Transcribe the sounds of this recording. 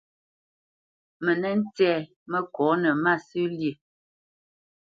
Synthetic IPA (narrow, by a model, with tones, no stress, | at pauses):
mə˨nɛ˦n̩˦tɛː˦˨ | mə˦kwɔː˨˦nə˨ma˦˨sʉ˦ljə˦˨